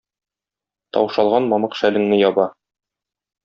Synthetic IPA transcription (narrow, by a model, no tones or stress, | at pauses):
t̪ɒ̰wʃɑlˠʁɑnmɒmɤqʃælɘ̆ŋnɘjɒbɑ